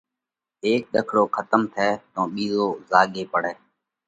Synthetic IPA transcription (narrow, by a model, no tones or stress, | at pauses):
eːk̚ɗ̪əkʰɽoːkʰət̪əmt̪ʰɛːt̪õːɓiːzoːzaːɡeːpəɽɛː